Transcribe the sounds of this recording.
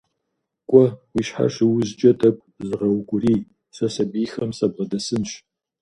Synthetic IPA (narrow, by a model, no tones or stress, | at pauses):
kʷʼɔwiːʃħa̰ʃɪwʊzt͡ʃʼɐtʰʼɐkʷʼzɨʁɐwɡʷʼʊriː | sɐsɐbiːxɐmsɐbʁɐdɐsɨnʃ